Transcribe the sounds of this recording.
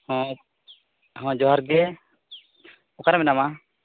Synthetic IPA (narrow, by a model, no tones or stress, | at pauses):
hɔ̃ | ɦɔ̃d͡ʒɔɦaɾɡɛ | ɔkaɾamɛnama